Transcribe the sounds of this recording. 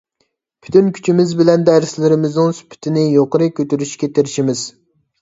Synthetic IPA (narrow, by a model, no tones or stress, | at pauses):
pʰy̥t̪ʰynkʲʰy̥t͡ʃʰimɪzbɪlɛnd̪æɾslɪɾɪmɪznɨŋsy̥pʰɪ̥t̪ʰɪnɪjoqəɾɨkʲøt̪yɾyʃkʲɛt̪ʰeɾɪʃimɪz̥